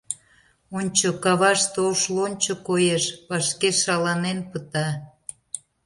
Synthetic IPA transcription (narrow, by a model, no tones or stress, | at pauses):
onʲt͡ɕokɑβɑʃt̪oʃlonʲt͡ɕokojeʃpɑʃkeʃɑlɑnenpət̪ɑ